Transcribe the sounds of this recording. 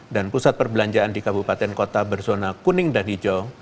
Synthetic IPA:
danpusat̪̚pərbəlaɲd͡ʒaandikabupat̪ɛnkot̪abərsonakunɪŋdanid͡ʒɔ

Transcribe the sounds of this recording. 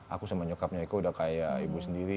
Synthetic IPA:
ʔa̰kusamaɲukap̚ɲaik̪uudahkajaibusəndiɾi

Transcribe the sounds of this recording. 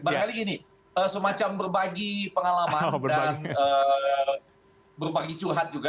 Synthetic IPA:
bakaliɡini | əsəmat͡ʃambərbaɡipəŋalamanədanə | bərbaɡit͡ʃurɦat̪̚d͡ʒuɡa

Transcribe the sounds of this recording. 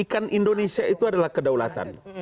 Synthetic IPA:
ikanʔindonesiait̪uadalahkədawla̰t̪a̰n

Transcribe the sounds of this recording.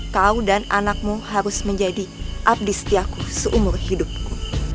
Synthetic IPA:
kaudananak̚muhaɾʊsməɲd͡ʒadiʔap̚dɪst̪iakusəʔumʊrhidʊp̚ku

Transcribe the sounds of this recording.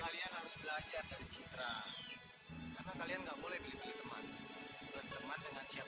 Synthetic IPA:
kalianalʊsbəlad͡ʒardaɾit͡ʃit̪ɾa | napakalianŋɡaʔbolɛhbilibəlit̪əma̰nduant̪əmandəŋansia

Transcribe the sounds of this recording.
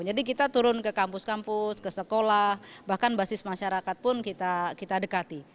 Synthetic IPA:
d͡ʒadik̬it̪at̪uɾʊnkəkampʊskampʊskəsəkolahbahkanbasɪsmaʃaɾakat̪̚pʊnkit̪akit̪adəkat̪i

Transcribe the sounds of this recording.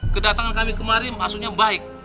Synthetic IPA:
kədat̪aŋankamikəmaɾɪnmaksuɲabaɪk̚

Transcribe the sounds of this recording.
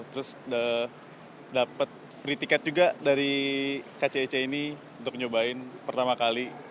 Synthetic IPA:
t̪əɾʊsə | dapət̪̚ | pɾit̪ikat̪̚d͡ʒuɡadaɾikat͡ʃeːt͡ʃeini | unt̪ʊk̚ɲobaɪnpərt̪amakali

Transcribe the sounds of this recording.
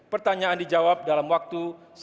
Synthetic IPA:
pərt̪aɲaandid͡ʒawap̚dalamwak̚t̪u | s

